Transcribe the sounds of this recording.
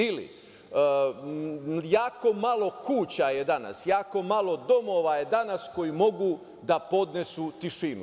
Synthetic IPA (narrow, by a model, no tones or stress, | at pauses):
ilḭ | jaːko̞malo̞kuːt͡ɕajed̪ana̰sjaːko̞malo̞d̪o̞moʋaje̞d̪anasko̞jimo̞ɡu | d̪apo̞d̪ne̞sut̪iʃimu